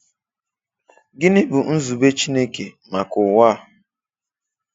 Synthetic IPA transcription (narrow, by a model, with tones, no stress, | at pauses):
ɡɪ˦nɪ˦bʊ˨n̩˦zu˨be˦t͡ʃi˦ne˦ke˨ | ma˨kʊ˨wa˦˨